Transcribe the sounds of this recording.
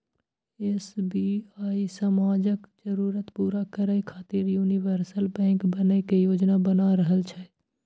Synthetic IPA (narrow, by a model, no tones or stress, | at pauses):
esbiaːisəmaːd͡ʒəkd͡ʒəɾuːɾət̪puːɾakəɾəjkʰaːt̪ɪɾjuːniʋəɾsəlbɛ̃ːŋkbənəkejoːd͡ʒnabənaɾəɦəlt͡ʃʰɛ